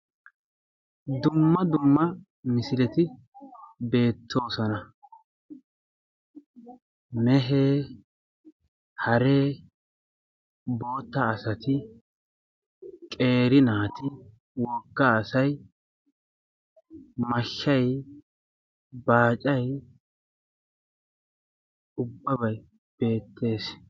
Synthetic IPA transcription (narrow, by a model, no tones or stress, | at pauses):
d̪ʊmːɐd̪ʊmːɐ | mɪsɪlɛt̪ɪ | be̞ːt̪ʰːo̞ːsɔnɐ | mɛɦeː | hɐɾeː | bo̞ːt̪ːɐːsɐt̪ɪ | kʼe̞ːɾɪnaːt̪ɪ | wɔɡːaːsɐj | mɐʃːɐj | baːt͡ʃʼɐj | ʊbːɐbɐj | b̥e̞ːt̪ːe̞ːs